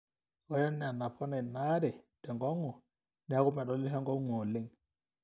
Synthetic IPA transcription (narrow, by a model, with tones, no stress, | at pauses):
ɣɔ˨jɛ˦nːɛ˨a˨na˨pʰɔ˦nɛ˨na˦dɛ˨d̥ɛ˨ŋɡɔ˦ŋɔ˨ | nɛ˨˦a˦ku˦mɛ˨ɗɔ˦li˦ɦɛ˦ŋɡɔ˦ŋɔ˨le˦ŋ